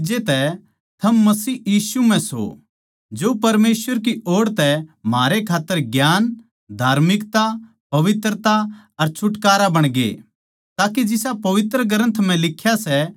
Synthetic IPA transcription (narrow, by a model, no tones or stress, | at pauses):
d͡ʒet̪ɛ | t̪ʰɐmːɐsiːjiːsum̤ɛ̃so̰ | d͡ʒoːpɐɾmeːsʋəɾk̬ioːɽt̪ɛm̤aːɾekʰaːt̪ːəɾɡjaːn | d̪ʱaːɾmɪkt̪a | pɐʋɪt̪ɾət̪a | ɐɾt͡ʃʰʊʈkaːɾabɐɽ̃ɡḛ | t̪aːked͡ʒɪsapɐʋɪt̪ɾəɡɐɾə̃nt̪ʰm̤ɛ̃lɪkʰːjasɛ